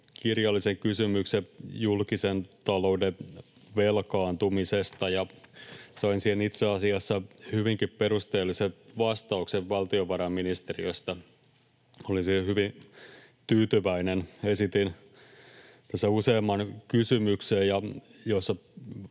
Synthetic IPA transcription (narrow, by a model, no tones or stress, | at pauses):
kirjɑlːiseŋkysymyksejulkisent̪ɑlo̞udeʋelkɑːnt̪umisest̪ɑjɑ | sɑinsiːhenit̪seɑsiɑsːɑhyʋiŋkippeɾust̪eːlːiseʋɑst̪ɑukseʋʋɑlt̪ioʋɑɾɑmminist̪eriøst̪ɑ | olinsiehyʋin | t̪yːt̪yʋæinenesit̪in | t̪æsːæuseːmːɑnkysymyksejjɑ | josːɑ